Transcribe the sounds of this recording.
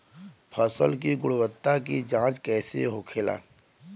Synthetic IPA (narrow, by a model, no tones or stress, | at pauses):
pʰəsəlkiɡʊɽwət̪ːak̬id͡ʒãːt͡ʃkɛːsḛɦoːkʰela̰ː